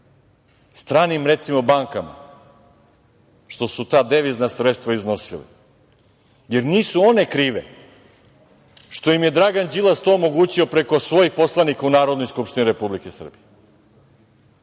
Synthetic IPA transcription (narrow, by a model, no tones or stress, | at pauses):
st̪ɾaːnimɾe̞t̪simo̞baːŋkama̰ | ʃt̪o̞sut̪aːd̪eʋiznasɾet̪st̪ʋaizno̞sḭlḭ | je̞ɾniːsuo̞ne̞kɾiːʋḛ | ʃt̪ojimje̞d̪ɾaɡand͡ʑilast̪oːomo̞ɡuːt͡ɕio̞pɾe̞ko̞sʋo̞jixpo̞slˠanikaunaːɾod̪no̞jskupʃt̪iniɾe̞publikesr̩bije